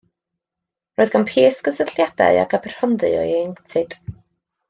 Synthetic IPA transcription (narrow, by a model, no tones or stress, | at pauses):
roːɨðɡanpʰeːsɡ̥əsəɬjad̥a̰ɨa̰kabr̥hɔnðɨ̰ɔ̰jɛŋtʰɨd̥